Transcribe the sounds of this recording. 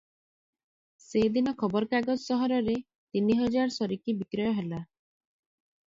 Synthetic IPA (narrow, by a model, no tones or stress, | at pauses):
sed̪inɔkʰɔbɔɾɔkaɡɔd͡ʒsɔɦɔɾɔɾe | t̪iniɦɔd͡ʒaɾɔsɔɾikibikɾɔjɔɦela